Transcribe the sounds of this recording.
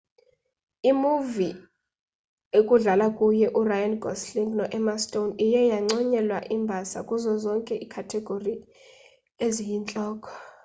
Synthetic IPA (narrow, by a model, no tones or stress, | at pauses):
imuvi | ekʼuɮalakʼujɛʔurajanɡʱɔsliŋɡnɔʔɛmastʼownijɛjaŋ͡ǀɔɲɛlwaʔimbʱasa̰kʼuzɔzɔŋkʼɛʔikʰatʰɛɡ̥ʱori | ezijint͡ɬʼɔːkʰʼɔ̥